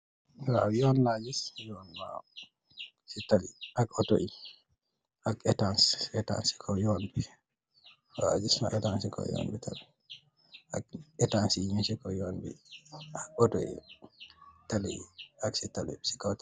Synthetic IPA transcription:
wawjɔnlad͡ʒisjɔnma̰ | sitaliʔakɔto̰ʔi | ʔakɛtansɛta̰nsi̥kʰɔjɔnbi | wa̰d͡ʒisma̰ʔɛtansikɔ̰jɔ̰nbitʰali | ʔa̰kɛtansiiɲisikɔjɔnbḭakɔtoḭ | talḭiaksitalḭsi̥kɔta

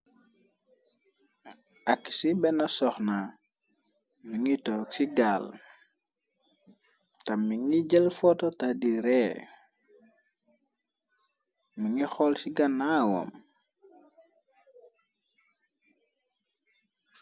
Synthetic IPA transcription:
akːi̥sibɛnasɔxna | miŋitɔːksiɡal | tamːiŋid͡ʒɛlfɔtotadiɾɛ | mːiŋixɔlsiɡanːawɔ̰m

